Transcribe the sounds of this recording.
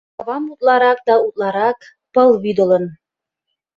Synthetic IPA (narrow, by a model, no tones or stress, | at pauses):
ɑβɑmut̪̚lˠɑɾɑk̚d̪ɑut̪̚lˠɑɾɑk | pɤlˠβyd̪ə̆lə̆n